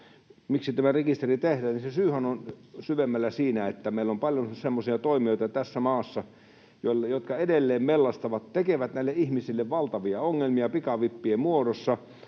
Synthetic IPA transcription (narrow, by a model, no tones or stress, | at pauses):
miksit̪æmærekist̪erit̪ehdæːninsesyːhænonsyʋemːælːæsiːnæet̪ːæmeˑilːompɑljonsemːosiɑt̪oˑimioˑit̪ɑt̪æsːæmɑːsːɑ | joljot̪kɑedelːeːmmelːɑst̪ɑʋɑt̪t̪ekeʋæt̪næilːeʔʔihmisilːeʋʋɑlt̪ɑʋiɑoŋːelmiɑpikɑʋipːiemuodosːɑ